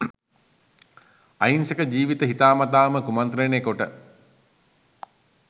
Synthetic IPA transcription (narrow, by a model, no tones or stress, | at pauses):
a̰jinsekəd͡ʒiːʋit̪əɦit̪aːmat̪aːməkumant̪ɾenekoʈə